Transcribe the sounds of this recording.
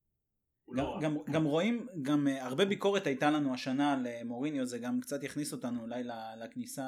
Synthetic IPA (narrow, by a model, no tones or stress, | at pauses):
ɡaɡamɡamʁo̞imɡamaʁbe̞biko̞ʁe̞t̪ajtalanuaʃanalemo̞ʁinjozeɡamkt͡sat̪jaχniso̞t̪anuːlajlalaknisa